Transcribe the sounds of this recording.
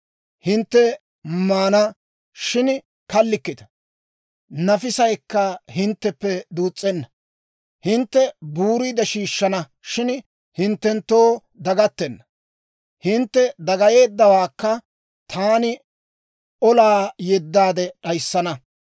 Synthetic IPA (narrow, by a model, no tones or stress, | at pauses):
hɪnt̪ːɛ | maːnɐ | ʃɪn | kɐlːɪkːɪd̪ɐ̥ | nɐfɪsɐjkːɐhɪnt̪ːɛpːɛd̪uːt͡sʼːɛnːɐ | hɪnt̪ːɛbuːɾiːd̪ɐʃiːʃːɐnɐ | ʃɪn | hɪnt̪ːɛnt̪ːoː | d̪ɐɡɐt̪ːɛnːɐ | hɪnt̪ːɛd̪ɐɡɐje̞ːd̪ːɐwaːkːɐ | t̪ʰaːnɪ | ʔɔlaːjɛd̪ːaːd̪ɛɗɐjsːɐnɐ